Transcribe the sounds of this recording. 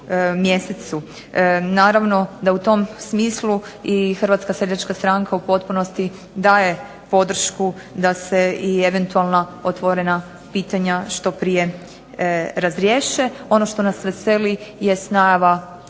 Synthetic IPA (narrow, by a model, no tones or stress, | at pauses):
mje̞set̪su | naːɾaʋno̞d̪aut̪o̞msmiːsluixr̩ʋat̪skased̪at͡ʃkast̪ɾaŋkaupo̞t̪puno̞st̪i | d̪aːje̞ | po̞d̪r̩ʃku | d̪aseieʋe̞nt̪ualˠnaot̪ʋoɾena | piːt̪aɲaʃt̪o̞pɾije̞ | ɾazɾjeʃeo̞no̞ʃt̪o̞nasʋeselije̞st̪najaʋa